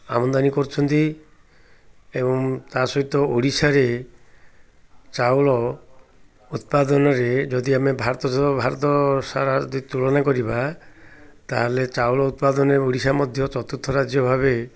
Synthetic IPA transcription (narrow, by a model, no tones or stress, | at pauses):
a̰mɔnd̪anikɔɾut͡ʃʰɔnt̪i | ebɔŋt̪asɔɦit̪ɔoɽisaɾe | t͡ʃawlɔ | ut̪̚pad̪ɔnɔɾed͡ʒɔd̪iamebʱaɾɔt̪ɔsbʱaɾɔt̪ɔsaɾad̪t̪ulɔnakɔɾiba | t̪aɦalet͡ʃawlɔut̪̚pad̪ɔnɔɾeoɽisamɔd̪ʱjɔt͡ʃɔt̪ut̪ʰːɔɾad͡ʒjɔbʱaβe